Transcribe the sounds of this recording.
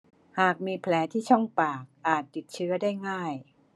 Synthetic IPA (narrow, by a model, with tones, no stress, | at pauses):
haː˨˩k̚miː˧pʰlɛː˩˦t̪ʰiː˥˩t͡ɕʰɔ˥˩ŋpaː˨˩k̚ʔaː˨˩t̪ːi˨˩t̪̚t͡ɕʰɯ˦˥ɐdaː˥˩jŋaː˥˩j